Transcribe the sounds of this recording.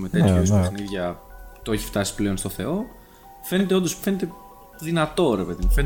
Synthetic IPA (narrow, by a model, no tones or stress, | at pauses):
met̪eçoispxniðʝɐt̪oe̞çi̥ft̪ɐsi̥ple̞o̞nst̪o̞θe̞̰o̞ | fe̞net̪eo̞nd̪osfe̞net̪e̞ | ðinɐt̪o̞ɾe̞pe̞ðimufen